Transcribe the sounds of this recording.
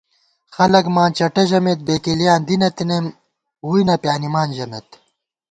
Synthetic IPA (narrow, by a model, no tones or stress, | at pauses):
xɐlɐkmaːnt͡ɕɐʈɐʑɐmet̪̚beːkelijaːnd̪inɐt̪inem | ɦujnɐpjaːnimaːnʑɐmet̪